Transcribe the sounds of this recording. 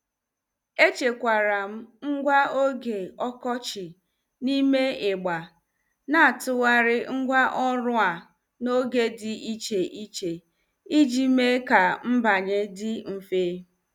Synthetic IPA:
e˦t͡ʃe˨kʷa˨ɾa˨m̩˦ŋ̩˦ɡʷa˦o˦ɡe˨ɔ˦kɔ˦t͡ʃɪ˨ | ni˦me˦ɪ˨ɡ͡ba˨ | na˦a˨tʊ˦wa˦ɾɪ˦ŋ̩˦ɡʷa˦ʔɔ˦ɾʊ˦a˨ | no˦ɡe˦dɪ˨i˦t͡ʃe˨ʔi˦t͡ʃe˨ | i˦d͡ʒi˦me˦ka˨m̩˦ba˨ɲe˦dɪ˦m̩˦feː˦

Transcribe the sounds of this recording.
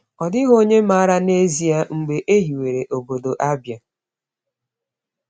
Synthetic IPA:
ɔ˨dɪ˦ɦo˦ɲe˦ma˦a˦ɾa˦ne˦zi˨a˦ŋ͡m̩˨ɡ͡be˨ʔe˦ɦi˨we˨ɾe˨ʔo˨bo˨do˨ʔa˦bja˨

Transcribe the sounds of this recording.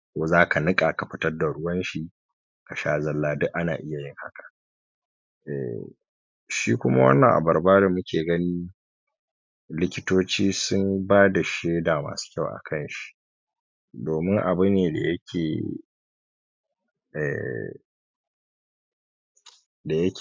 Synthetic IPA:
kʷoː˨zaː˦kʰa˨nɪ˦kʼa˨ka˨ɸɪ˦tɐ˦rda˨ɽʊ˦wɐ˦nʃi˨ | ka˨ʃaː˦zɐ˨lːaː˦dʊ˦ʔa˦na̰ː˨ʔɪ˦ja˨jɪ˦ŋha̰˦kḁ˨ | ʔɛ̰˨ | ʃiː˦kʷʊ˦ma̰˦wɐ̰˦nːɐ˨ŋʔa̰˨bɐ˨rbaː˦da˨mʊ˦kʲʰeː˨ɡɐ˦niː˦ | lɪ˦kʲɪ˦toː˦t͡ʃiː˦sʊ˦mbaː˦da˨ʃeː˦daː˨ma̰ː˨su̥˦kʲa˦˨wʔa̰˨kʰɐ˦nʃi̥˦ | doː˨mɪ˦ŋʔa˨bu˦neː˨da̰˨jɐ˦kʲʰeː˨ | ʔɛ̰˨ | da˨jɐ˦kʲ

